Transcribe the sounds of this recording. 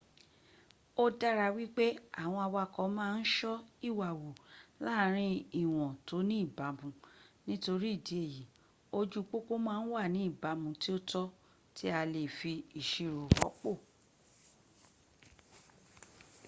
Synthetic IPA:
o˦da˦ɾa˧wi˦k͡pe˦a˨w̃ɔ̃˧a˧wa˧˨kɔ˨˦mãː˦˧n̩˦ʃɔ˦i˦˨wa˨wo˨la˦˨˦ɾ̃ĩ˦i˦˨w̃ɔ̃˨to˨˦nĩ˦i˦˨ba˨˦bũ˧˦nĩ˦to˧ɾi˦i˦˨di˨˦e˦˨ji˨˦ | o˦d͡ʒu˦k͡po˦ko˦mãː˦n̩˦wa˦˨nĩ˨˦i˦˨ba˨˦mũ˧˦ti˦o˦tɔ˦ | tʰi˦a˧le˨fi˧i˨ʃi˨ɾo˨ɔ̰˨˦k͡po˦˨

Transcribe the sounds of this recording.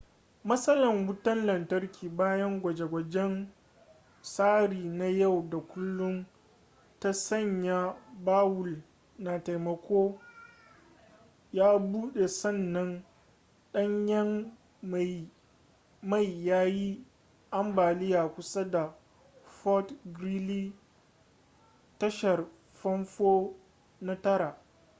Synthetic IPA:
mɐ˦sɐ˦lɐ˨ŋwʊ˦tɐ˦nlɐ˨ntɐ˦rkʲʰiː˨baː˦jɐ˦ŋɡʷɐ˨d͡ʒe˨ɡʷɐ˨d͡ʒɛ˦n | saː˦ɽiː˨na˦ja˦˨wda˨kʷʊ˦lːʊ˦n | ta˦sɐ˦˨ɲja˦baː˦wʊ˨l | na˨ta˨jmɐ˨kʷoː˦ | jaː˦buː˦ɗe˨sɐ˦˨nːɐ˦n | ɗɐ˦ɲjɐ˦m | a˨ | ma˦˨jːaː˦ji˦ | ʔa˦mbaː˨lɪ˦jaː˨kʷʊ˦sa˦da˨ | fɔ˦tɡɾi˦liː˦ | tɐ˦ʃɐ˨r | ɸɐ˦nɸoː˦ | na˦tɐ˦ɾa˨ʔ

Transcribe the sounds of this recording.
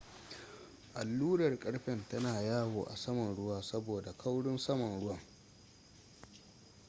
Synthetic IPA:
ʔa˨lːuː˦ɽɐ˨rkʼɐ˦ɽɸɛ˨ntɐ˦naː˨jaː˦woː˨ʔa̰˨sɐ˦mɐ˨nɽʊ˦waː˦sɐ˦boː˨da˨kʰa˦wɽʊ˦nsɐ˦mɐ˨nɽʊ˦wɐ˦˨ŋ

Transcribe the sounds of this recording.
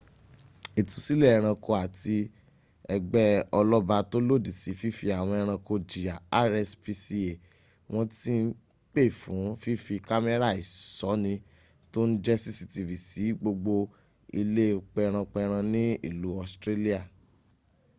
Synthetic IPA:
i˨ti˧si˦lɛ˦˨ɛ˧˨ɾ̃ã˧ko˧a˨ti˧ | ɛ˧ɡ͡bɛ˦ɔ˧lɔ˦ba˧to˦lo˦˨di˨si˨˦fi˦fi˧a˨w̃ɔ̃˧ɛ˧ɾ̃ã˧ko˧d͡ʒi˨a˨a˦ɾɛ˧spi˧si˦e˨ | w̃ɔ̃˦ti˦n̩˦ | k͡pe˦˨fũ˨˦fi˦fi˧ka˦mɛ˦ɾa˦˨i˨sɔ˨˦nĩ˧ | to˦n̩˦d͡ʒɛ˦si˦si˧ti˧vi˨si˨˦ɡ͡bo˧ɡ͡bo˧ | i˧le˦k͡pɛ˧ɾ̃ã˧k͡pɛ˧ɾ̃ã˧nĩ˦ḭ˦˨lu˨˦ɔ˦˨stɾe˦li˦a˦˨

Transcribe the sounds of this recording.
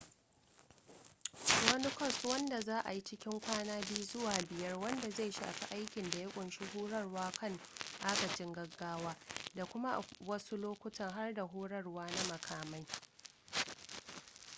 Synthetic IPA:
wɐ˦ni˦kʷɐ˦˨swɐ˦nda˨zaː˦ʔa̰˨ji˦t͡ʃɪ˦kʲɪ˦ŋkʷaː˦naː˦bi˦u˦zʊ˦waː˨bɪ˨jɐ˦rwɐ˦nda˨za˦˨ʃa̰ː˨ɸḭ˦ʔa˦jkʲɪ˨nda˨ja˦kʷʼʊ˨nʃi˦ɦuː˦ɽɐ˦rwaː˦kʰɐ˦˨ŋʔaː˦ɡɐ˨t͡ʃɪ˦ŋɡɐ˦ɡːaː˦waː˦da˨kʷʊ˦ma˦ʔwɐ˦su˦loː˦kʷʊ˦tɐ˦˨ŋɦa˦rda˨ɦuː˦ɽɐ˦rwaː˦na˦mɐ˨kʰaː˨ma˦j

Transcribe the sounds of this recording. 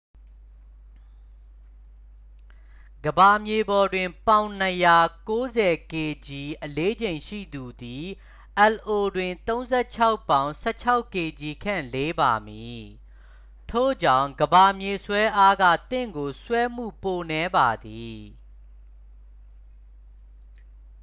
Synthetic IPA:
ɡ̥əba˨mje˨bɔ˨dwɪ̃˨mpã˨ʊ̃n̥əja˨ko˦zɛ˨ke˨d͡ʑi˨ʔəle˦d͡ʑẽ˨ɪ̃ʃḭ˦˨d̪u˨d̪i˨ | ʔɛ˨lʔo˨dwɪ̃˨nt̪õ˦ʊ̃nzɛ˦˨t͡ɕʰa˦ʊpːã˦ʊ̃sɛ̰˦t͡ɕʰa˦ʊkːe˨d͡ʑi˨kʰã̰˦˨le˦ba˨mi˨ | tʰo̰˦˨d͡ʑã̰˦˨ʊ̃ɡəba˨mje˨swɛ˦ʔa˦ɡä̰˦˨t̪ɪ̰̃˦˨ŋɡo˨swɛ˦m̥ṵ˦˨po˨nɛ˨˦ba˨d̪i˨

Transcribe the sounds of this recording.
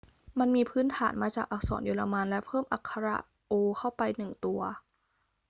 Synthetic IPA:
ma˧nmiː˧pʰɯː˦˥nt̪ʰa̰ː˩˦nmaː˧t͡ɕaː˨˩k̚ʔa˧˩k̚sɔ̰ː˩˦njo˧la˧ma˧nlɛ˦˥pʰɤː˥˩mʔa˨˩kʰːa˧ɾa̰˧˩ | ʔoː˧kʰa˥˩wpa˧jnɯ˨˩ŋt̪u˧ɐ

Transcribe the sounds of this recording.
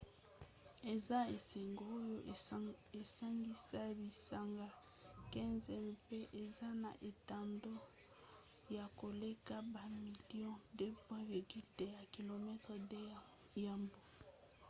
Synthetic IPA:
e˨za˦e˨se˨ŋɡo˨o˦jo˦ | e˨sa˦ŋɡi˦sa˦bi˨sa˨ŋɡa˦ | kɛ̃˦nzɛ˦m˨pe˦ʔe˨za˦na˨ʔe˨ta˨ndo˦ | ja˨ko˨le˦ka˦ba˨mi˨li˦ɔ̃˦de˦pwɛ̃˦vi˨ʁɡy˦lde˦˨ja˨ki˨lo˨mɛ˦tʁɛ˨de˦ | ja˨mbo˨

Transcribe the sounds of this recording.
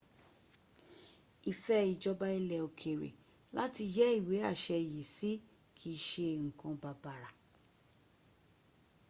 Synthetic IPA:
i˨fɛ˧i˨d͡ʒɔ˧ba˧i˧lɛ˧o˨kʰe˨ɾḛ˨ | la˦ti˧d͡ʒɛ˦i˦˨we˨˦a̰˦˨ʃɛ˧˨ji˨si˦ | kʰi˦˧ʃe˧ŋ̩˨kã˨˧ba˨ba˨ɾa˨

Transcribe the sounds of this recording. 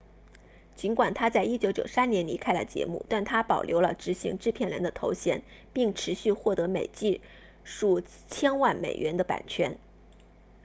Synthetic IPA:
t͡ɕi˧˥nkwa˨˩nt̪ʰa˥t͡sa˥˩ɪi˥t͡ɕjo˧˥ʊt͡ɕjo̰˨˩ʊsa˥njɛ˧˥nli˧˥kʰa˥ɪlə̰˨˩t͡ɕjɛ̰˧˥mṵ˥˧t̪a˥˩nt̪ʰa˥pɑ˨˩ʊljo̰˧˥ʊlə˧ʈ͡ʂɻ̩˧˥ɕḭ˧˥ŋʈ͡ʂɻ̩˥˧pʰjɛ˥˩nɻə˧˥nd̪ə˧t̪ʰo˧˥ʊɕjɛ̰˧˥n | pi˥˩ŋʈ͡ʂʰɻ̩˧˥ɕy˥˧xwɔ˥˩t̪ɤ˧˥me˨˩ɪt͡ɕi˥˩ | ʂu˥˩ | t͡ɕʰjɛ˥nwa˥˩nmḛ˨˩ɪɥʔɛ˧˥nd̪ə˧pa̰˨˩nt͡ɕʰɥɛ˥n

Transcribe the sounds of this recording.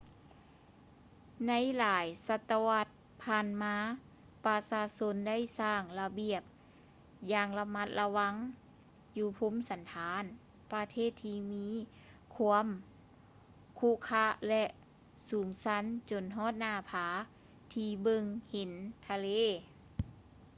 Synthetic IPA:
na˧˥jlaː˨˦jsa˧t̪ːa˧wa˧t̪̚ | pʰaː˧˨nmaː˧˥ | pa˧saː˧so˧˥nda˥˩˨jsaː˧˩ŋla˧bi˧˨əp̚ | jaː˧ŋla˧ma˧˥t̪̚la˧wa˧˥ŋ | juː˧pʰo˧˥˨msa˨˦nt̪ʰaː˨˦n | pa˧t̪ʰeː˥˨t̪ʰːiː˧miː˧˥ | kʰu˧˥əm | kʰu˧˥˨kʰa˧˥lɛ˧ʔ | suː˨˩˦msa˧˥nt͡ɕo˨nɦɔː˧˥˨t̪̚naː˧˩pʰaː˨˦ | t̪ʰiː˧bɤ˧ŋhe˨˦nt̪ʰa˧leː˧˥˨

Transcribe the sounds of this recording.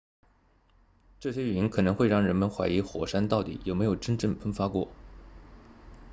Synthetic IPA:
ʈ͡ʂɤ˥˩ɕjɛ˥y˨˩i˧˥nkʰɤ˨˩nɤ˧˥ŋxwe˥˧ɪɻɑ˥˩ŋɻə˧˥nmə˧nxwa˧˥ɪi˧˥xwɔ̰˨˩ʂa˥nt̪ɑ˥˩ʊt̪ḭ˨˩jo˨˩me˧˥ɪjo˨˩ʊʈ͡ʂə˥nʈ͡ʂɤ˥˩ŋfə˥nfa˥kwɔ̰˥˩

